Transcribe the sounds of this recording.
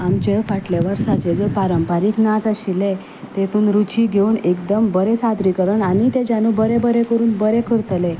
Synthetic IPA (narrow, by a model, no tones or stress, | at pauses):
amt͡ɕefaʈleʋəɾsat͡ɕed͡zəpaɾəmpaɾiːknad͡zaɕile | t̪et̪uːnɾut͡ɕiːɡʱeunekd̪əmbəɾesad̪ɾikəɾəɳanit̪ed͡ʑanubəɾebəɾekəɾuːnbəɾekʰəɾt̪le